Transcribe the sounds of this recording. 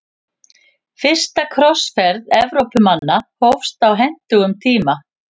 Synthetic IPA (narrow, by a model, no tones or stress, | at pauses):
fɪr̥st̪akʰɾɔsfɛɾðɛvɾowpʏmanːahowfst̪awɦɛn̥t̪ʏɣʏmt̪ʰiːma